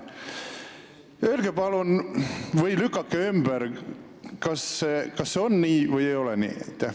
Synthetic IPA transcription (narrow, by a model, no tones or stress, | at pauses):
ølɡ̥epɑlunvɯjlykːˑɑkːeymb̥æɾ | kɑsːekɑsːeonːiːvɯjejo̞lɛnḭːḛt̪ːe